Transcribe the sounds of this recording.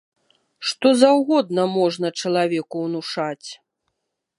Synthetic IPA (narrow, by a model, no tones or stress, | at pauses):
ʂt̪ɔzawɣɔd̪nɐmɔʐnɐt͡ʂɐlˠavʲɛkuwnuʂat͡sʲ